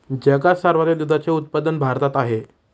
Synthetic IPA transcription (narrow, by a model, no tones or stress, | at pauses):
d͡ʑɛɡasəɾʋat̪jed̪ud̪at͡seut̪̚pad̪ənbʱaɾt̪at̪aɦe